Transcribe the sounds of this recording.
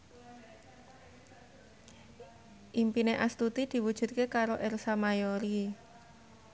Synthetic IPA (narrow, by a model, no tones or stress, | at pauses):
ʔimpineʔast̪ut̪id̪̥i̤wud̥ʒ̥ṳt̪̚kekaɾoʔɛrsamajoɾi